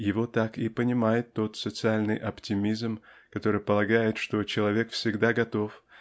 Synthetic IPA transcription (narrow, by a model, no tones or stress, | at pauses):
jɪvo̞t̪ːakɪpənʲɪmajɪt̪ːo̞t̪sət̪sɨalʲnɨjʔɐptʲɪmʲizmkɐt̪o̞ɾɨjpəlˠɐɡajɪt̪ʂt̪o̞t͡ɕɪlˠɐvʲe̞kfsʲɪɡd̪aɡɐt̪o̞f